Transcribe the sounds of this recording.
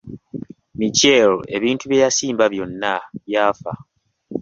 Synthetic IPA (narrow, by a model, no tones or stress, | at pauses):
micele̞βiːntuβjejasiːmbaβjo̞nːaβjaːfa